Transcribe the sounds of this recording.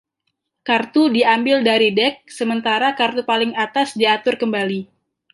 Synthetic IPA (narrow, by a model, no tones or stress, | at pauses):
kart̪udiambɪldaɾidɛk̚səmənt̪aɾakart̪upalɪŋat̪asdiat̪ʊrkəmbali